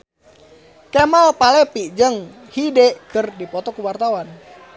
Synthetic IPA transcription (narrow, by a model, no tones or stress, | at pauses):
kemalpalɛpiʔd͡ʒəŋ | hidɛkərdipɔt̪ɔkuwart̪awan